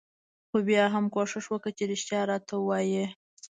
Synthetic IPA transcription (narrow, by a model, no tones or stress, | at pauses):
xobjɑɦamkoʂɪʂwəkət͡ʃeɾɪʃt̪jɑɾɑt̪awɑje